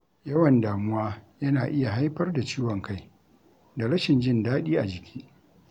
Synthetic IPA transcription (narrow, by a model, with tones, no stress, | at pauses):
jɐ˦wɐ˨ndaː˨mʊ˦waː˦jɐ˦naː˨ʔɪ˦ja˨ɦa˦jɸɐ˦rda˨t͡ʃiː˦wɔ˨ŋka˦˨j | da˨ɽɐ˦ʃɪ˨nd͡ʒɪ˦˨ndaː˦ɗiː˦ʔa˨d͡ʒɪ˨kʲʰi̥ː˦